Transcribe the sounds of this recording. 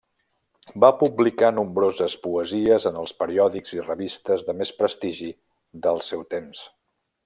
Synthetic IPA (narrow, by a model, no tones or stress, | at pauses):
bapublikanumbɾozəspuəziəzənəlˠspəɾiɔðiɡz̥irəβist̪əzðəmespɾəst̪iʒi | ðəlˠsɛwt̪ems